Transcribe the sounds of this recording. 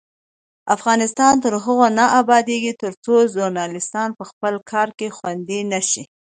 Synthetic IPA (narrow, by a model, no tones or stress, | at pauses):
afɣɑnɪst̪ɑnt̪əɾɦəɣonaʔabɑd̪eɡit̪əɾt͡soʒʊɾnɑlɪst̪ɑnpəxpəlkʰɑɾkexwand̪inaʃi